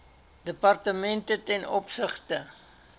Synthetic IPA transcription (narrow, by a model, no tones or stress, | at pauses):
dəpɐrtəmɛntətɛnɔpsəχtə